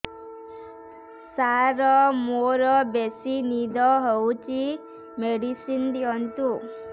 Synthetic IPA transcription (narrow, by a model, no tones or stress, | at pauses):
saɾɔmoɾɔbesinid̪ʱɔɦɔwt͡ʃi | meɽisind̪iɔnt̪u